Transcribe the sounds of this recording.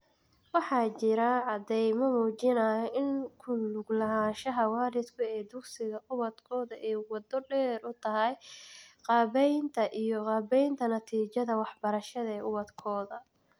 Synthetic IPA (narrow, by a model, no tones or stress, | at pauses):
wɑħɑːt͡ʃɪɾɐʕɑd̪ɛjmɐmuːt͡ʃɪnɐːjɔʔɪŋkʰʊlʊɡlɐɦaːnʃɐɦɐwɑːlɪd̪kʰʊɛːd̪ʊksɪɣɐʔʊβɐd̪kʰɔːðɐʔɛjwɑd̪ɔɖɛːrʊt̪ʰɐɦɛjqɑːβɛjnt̪ʰɐʔijɔqɑːbɛjnt̪ʰɐnɐt̪ʰiːt͡ʃɐðɐwɑħbɐɾɐʃɐðɐɛːʔʊwɐd̪kʰɔːðɐ